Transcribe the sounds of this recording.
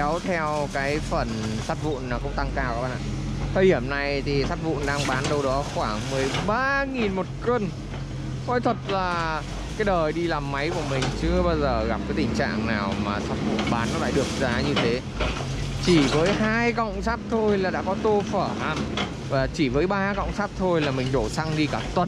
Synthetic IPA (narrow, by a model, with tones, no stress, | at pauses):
wt̪ʰɛ˧wkaː˨˦jfə˨˩n | saː˦˥t̚vṵ˧˨nːaː˨˩kʊ̰˧˥ŋ͡mt̪a˧ŋkaː˧˩wa˨˦ɓa̰ː˧˨nʔa̰ː˧˨˩t̪ʰəː˧jhi˧˩əmna˨˩jt̪ʰi˨˩saː˦˥t̚vṵ˧˨nɗaː˧ŋɓaː˨˦nɗə˧wɗɔ˨˦xwaː˧˩ŋmɨ˨˩əjɓaː˧ŋi˨˩nmo˨˩t̚kwə˧n | kɔ˨˦jt̪ʰwə˨˩t̚laː˨˩ | kaː˨˦jɗəː˨˩jɗi˧laː˨˩mːa˨˦jku˧˩əmï˨˩ŋ̟t͡ɕɨ˨˧əɓaː˧wzəː˨˩ɣa˨˧˩p̚kaː˨˦jt̪ï˨˩ŋ̟t͡ɕa̰ː˧˨ŋnaː˨˩wmaː˨˩sa˦˥t̚vṵ˧˨nɓaː˨˦nːɔ˨˦la̰ː˧˨ɗɨ˨˩ək̚zaː˨˦ɲɨ˧t̪ʰe˨˦ | t͡ɕi˧˩vəː˨˦jɦaː˧jkə̰˧˨wŋ͡msaː˦˥p̚t̪ʰo˧jlaː˨˩ɗa̰ː˧˥kɔ˨˦t̪o˧fəː˧˩ʔaː˧˩m | vaː˨˩t͡ɕi˧˩vəː˨˦jɓaː˧kə̰˧˨wŋ͡msaː˦˥p̚t̪ʰo˧jlaː˨˩mï˨˩ŋ̟ɗo˧˩sa˧ŋɗi˧kaː˧˩t̪wə˨˩t̚